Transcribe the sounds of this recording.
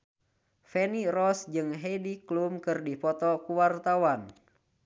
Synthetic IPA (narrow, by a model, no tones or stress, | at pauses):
fɛnirɔsd͡ʒɨŋɦɛdiklumkɨrdipɔt̪ɔkuwart̪awan